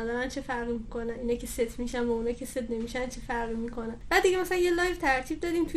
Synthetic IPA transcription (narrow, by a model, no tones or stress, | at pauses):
d̪ɒːɾænt͡ʃʰefæɾɣimikʰonæniːnɒːjcʰeset̪ʰmiːʃænvounɒːjcʰeset̪ʰne̞miːʃænt͡ʃʰefæɾɣiːmiːkʰo̞nænbæd̪d̪iɡʲemæsælænjelɒːjvt̪ʰæɾt̪ʰib̚d̪ɒːd̪iːmt̪ʰu